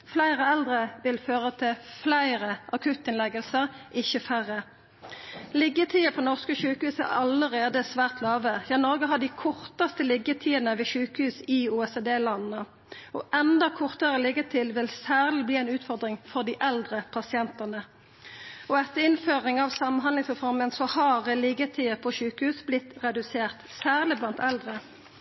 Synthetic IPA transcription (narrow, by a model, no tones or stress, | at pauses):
flæɪʁəɛld̪ʁəʋɪlføːʁət̪ʰɪlflæɪʁəʔɑkʰʉt̪ːɪnlɛɡəlsəʁɪçəfæʁə | lɪɡət̪ʰiːəpʰɔnɔʁskəʃʉːkəhʉːsæ̰ɑləʁeːd̪əsʋæːʁt̪lɑːʋəjɑːnɔʁɡəɦɑd̪iːkʰɔʁt̪əst̪əlɪɡət̪ʰiːənəʋeːʃʉːkəhʉːsɪuːɛsed̪eːlɑnn̩ə | ɔ̰ʔɛnd̪ɑkʰɔʁt̪əʁəlɪɡət̪ʰɪlʋɪlsæːʁlɪbliːæɪnʉːt̪fɔʁd̪ʁɪŋfɔʁd̪iːʔɛld̪ʁəpʰɑsɪɛnt̪ənə | ɔɛt̪ːəɪnføːʁɪŋɑʋsɑmənɦɑnlɪŋsʁɛfɔʁmənsɔhɑʁəlɪɡət̪ʰiːəpʰɔʃʉːkəhʉːsblɪt̪ʁɛd̪ʉseːʁt̪sæːʁlɪblɑnt̪ɛld̪ʁə